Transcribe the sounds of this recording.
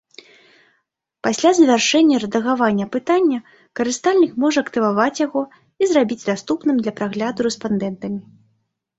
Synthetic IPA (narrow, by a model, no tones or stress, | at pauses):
pasʲlʲazvʲarʂɛnʲːɐɾɐd̪ɐɣavanʲːɐpɨt̪anʲːɐ | kɐɾɨst̪alʲnʲikmɔʐɛɐkt̪ɨvavat͡sʲjaɣɔ | izɾabʲid͡zʲd̪ast̪upnɨmd̪lʲɐpɾaɣlʲad̪uɾɛspand̪ɛnt̪ɐmʲi